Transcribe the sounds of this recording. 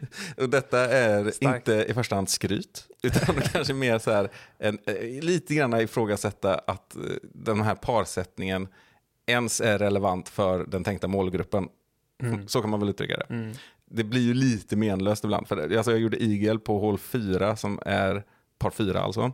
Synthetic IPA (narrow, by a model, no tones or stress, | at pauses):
ɔd̪ɛt̪ːaæɾɪnt̪əɪfœʂʈahand̪skɾy̰ːt̪ʉ̟ːt̪and̪ɛkʰanʂəmeːɾsɔhæːɾʔɛnliːt̪əɡɾanːaɪfɾoːɡasɛt̪ːaʔat̪d̪ɛnɦæːɾpʰɑːɾsɛt̪nɪŋən | ɛnsæɾːɛləvant̪fœɾɖɛnt̪ʰɛŋk̚t̪amoːlɡɾɵpːən | sɔkʰanmanvɛlʉ̟t̪ɾʏ̰kːa̰d̪ɛ̰ | d̪ɛblɪɾjɵliːt̪əmeːnløːst̪ɪbla̰nd̪fœɾals̬ɔjɑːɡjuːɖəʔiːɡɛlpʰɔɦoːlfyːɾasɔmæ̰ɾ | pʰɑːɾfyːɾa̰a̰lsɔ̰